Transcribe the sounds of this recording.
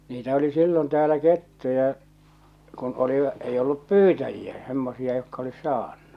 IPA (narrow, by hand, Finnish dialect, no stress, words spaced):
niːtæ oli silːon tæːlæ ketːujɑ kun oliʋɑ̆ ei olːup pyːtæjiæ semːosiɑ jokːɑ olis̆ sɑːnːu̥